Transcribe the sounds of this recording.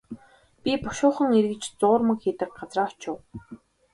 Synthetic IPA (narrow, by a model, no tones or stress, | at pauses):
pʲipʊʃʊːχə̆ŋerɣɘ̆t͡ɕt͡sʊːrmə̆kxiːt̪ɘ̆k̚ɢat͡sraːɔt͡ɕʊw